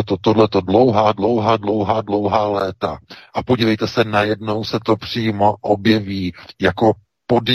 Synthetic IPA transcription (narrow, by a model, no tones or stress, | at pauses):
t̪ot̪odlɛt̪o̞dlo̞wɦaːdlo̞wɦaːdlowɦaːdlo̞wɦaːlɛːt̪aʔapoɟiːlɛjt̪ɛsɛnajɛdno̞wsɛt̪o̞pr̝̥iːmo̞ʔobjɛviːjako̞ | po̞d